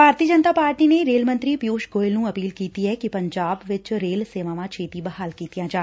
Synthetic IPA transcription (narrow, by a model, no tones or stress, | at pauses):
bʱaːɾt̪iəd͡ʒənt̪aːpaːɾʈiːneɾeːlmə̃nt̪ɾiːpjuːʃɡoːɪlnũːɐpiːlkiːt̪iɦɛkipəɲd͡ʒaːbʋɪt͡ʃɾeːlseːʋaːʋãːt͡ʃʰeːt̪ibəhaːlkiːt̪ijãːd͡ʒaː